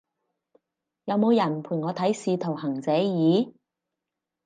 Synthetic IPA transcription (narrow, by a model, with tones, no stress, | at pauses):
jɐ˨˧wmo˨˧wjɐ˨˩npʰuː˨˩ŋɔː˨˧t̪ʰɐ˨˥jsiː˧t̪ʰo˨˩whɐ˨˩ŋt͡sɛː˨˥jiː˨˥